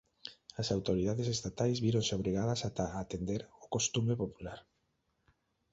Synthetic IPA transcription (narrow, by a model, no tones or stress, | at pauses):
asawt̪oɾið̞aðesest̪at̪ajzβiɾõnseoβ̞ɾiɣaðɐsat̪aːt̪end̪eɾokost̪umepopulaɾ